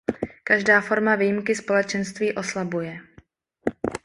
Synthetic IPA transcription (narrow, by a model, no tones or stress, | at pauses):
kaʒdaːfo̞ɾmaviːjɪmkɪspo̞lɛt͡ʃɛnst̪viːʔo̞slabujɛ